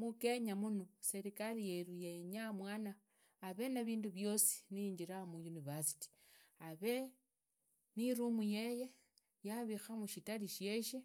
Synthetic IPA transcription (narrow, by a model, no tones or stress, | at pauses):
muke̞ɲamunose̞ɾikalijeɾujeɲamwaːnaː | βe̞naβiːnduβjo̞si̥niɲd͡ʒiɾamujunivasi̥ti̥ | aβe̞ | niɾumuje̞je̞ | jaβixamuʃitaliʃe̞ʃe